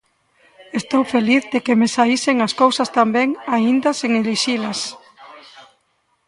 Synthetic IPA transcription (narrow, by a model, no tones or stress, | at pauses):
est̪owfeliθðekemesaiseŋaskowsɐst̪ambɛŋaind̪ɐseŋeliʃilɐs